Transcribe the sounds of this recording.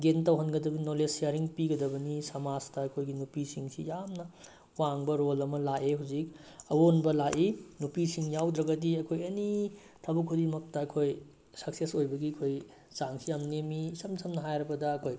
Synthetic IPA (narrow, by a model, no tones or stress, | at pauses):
ɡentɐwɦɐnɡɐdɐbɐinolesiaɾiŋpiɡɐdɐbɐnisɐmad͡ʒtɐɐkʰojɡinupisiŋsḭjamnɐ | waŋbɐɾolɐmɐlaʔeɦawd͡ʒik̚ | ɐwonbɐlaʔinupisiŋjawdɾɐɡɐdiɐkʰojɐni | tʰɐbukʰuɾimɐk̚tɐɐkʰoj | sɐk̚sesojbɐɡiɐkʰoj | t͡ʃaŋsʰijamnemisɐmsʰɐmnɐɦajɾɐpɐdɐɐkʰoj